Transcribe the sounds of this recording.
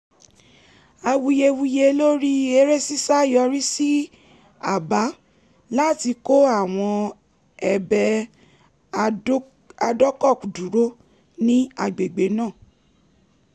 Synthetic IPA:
a˧wu˧je˧wu˧je˧lo˦ɾi˦e˧ɾe˦si˦sa˦jɔ˧ɾi˦si˦ | a˦˨ba˨˦ | la˦˨ti˧ko˦a˦˨w̃ɔ̃˧ | ɛ˨bɛ˧˦ | a˧dɔ˦kɔ˦˨ku˨du˨˦ɾo˦ | nĩ˦a˧ɡ͡be˨ɡ͡be˨˦nã˦˨

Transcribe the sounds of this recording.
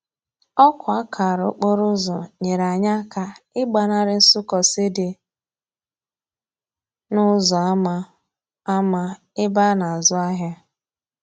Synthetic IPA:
ɔ˦kʊ˨a˦kʰa˨ɾʊ˨˦k͡po˦ɾʊ˦zɔ˨ɲe˨ɾa˨ɲa˦ka˨ɪ˦ɡ͡ba˨na˦ɾɪ˦n̩˦sʊ˦kɔ˨se˦de˨ | nʊ˦zɔ˨a˦ma˦ | a˦ma˦ | ɪ˦ba˦na˨zʊ˦a˦ɦja˦

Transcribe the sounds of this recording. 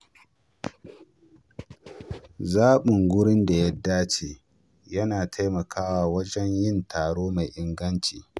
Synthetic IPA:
zaː˦ɓɪ˨ŋɡʷʊ˦ɽɪ˦nda˨jɐ˦dːaː˦t͡ʃeː˨ | jɐ˦naː˨tʰa˦jmɐ˨kʰaː˦waː˨wɐ˦d͡ʒɛ˦ɲjɪ˦ntʰaː˨ɽoː˦ma˨jʔɪ˨ŋɡɐ˦nt͡ʃiː˨

